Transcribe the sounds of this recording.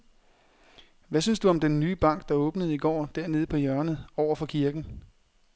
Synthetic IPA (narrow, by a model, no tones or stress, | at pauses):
ʋæsynsd̥uɒ̽md̥enːyːb̥ɑ̈ŋ̰ɡ̥̚d̥ɑ̈ɔ̽ːb̥nəð̞̩ˠiɡ̥ɒ̰ːd̥æɐne̝ð̞̩ˠəpʰɒ̽jœɐnəð̩ˠɒʊ̰ɐfɒ̽kʰiɐɡ̥n̩